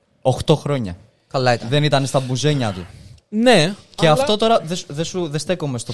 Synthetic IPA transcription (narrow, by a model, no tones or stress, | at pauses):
oxt̪o̞xɾo̞ɲɐ̰ | kɐlɐit̪ðe̞nit̪ɐnest̪ɐbuze̞ɲɐt̪uneceɐft̪o̞t̪o̞ɾɐðesðesuðe̞st̪e̞komest̪o̞